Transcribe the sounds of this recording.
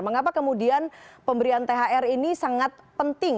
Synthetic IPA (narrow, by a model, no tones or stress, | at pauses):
məŋapakəmudianpəmbəɾiant̪eɦaʔɛrinisaŋat̪̚pənt̪ɪŋ